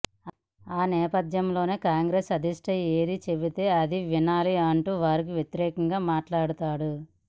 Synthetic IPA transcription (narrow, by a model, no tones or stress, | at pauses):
aːnɛːpɐd̪jɐmlo̞ːneːkaːŋɡɾeːsɐd̪iʂʈɐe̞ːɾit͡ʃe̞bit̪e̞ːɐd̪iʋinaːliɐɳʈuːʋaːɾik̬iʋjet̪iɾɛːkɐŋɡaːmaːʈlaːɽut̪aːɽu